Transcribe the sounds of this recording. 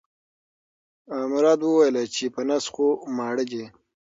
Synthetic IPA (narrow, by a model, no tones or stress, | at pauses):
mʊɾɑd̪wəwajlat͡ʃʰepənasxomɑɽəɡe